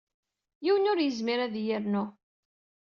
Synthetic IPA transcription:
jiwənʊɾjəzmiɾæðjəɾnʊ

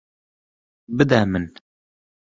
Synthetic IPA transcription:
bɨd̪æmɨn

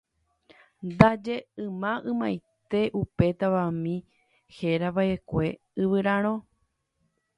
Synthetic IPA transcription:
nd̪ad͡ʒe̞ɨ̃mãʔɨ̃mãjt̪e̞ʔupe̞t̪aʋamĩ | he̞ɾaβaʔe̞kʷe̞ | ɨʋɨɾãɾ̃õ

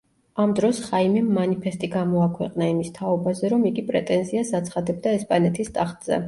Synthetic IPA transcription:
amd̪ɾɔsχaimɛmːanipʰɛst̪ʼiɡamɔakʰwɛqʼnaimist̪ʰaɔbazɛɾɔmiɡipʼɾɛt̪ʼɛnziasat̪sʰχad̪ɛb̚d̪aɛspʼanɛt̪ʰist̪ʼaχt̪ʼz̥ɛ̰

